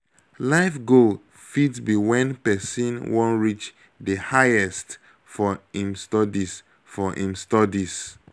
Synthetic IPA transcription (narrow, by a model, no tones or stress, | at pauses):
laɪfɡo | fidsbiwɛ̃npɛsĩnwɔ̃nɹit͡ʃ | dəhaɪɛst | fɔĩmstɔdis | fɔʔḭ̃mstɔdis